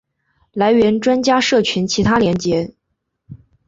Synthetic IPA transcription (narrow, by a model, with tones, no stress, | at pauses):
la˧˥ɪɥɛ˧˥nʈ͡ʂwa˥nt͡ɕja˥ʂɤ˥˩t͡ɕʰy˧˥nt͡ɕʰi˧˥t̪ʰa˥ljɛ˧˥nt͡ɕjɛ˧˥